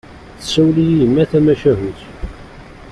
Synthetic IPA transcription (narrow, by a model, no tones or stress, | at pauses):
θə̥sːæwlijiəmːæθæmæʃæɦuθ